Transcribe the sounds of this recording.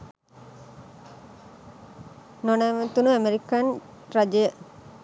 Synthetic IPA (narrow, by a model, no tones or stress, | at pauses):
nonæʋət̪unuæmeɾikan | rad͡ʒəjə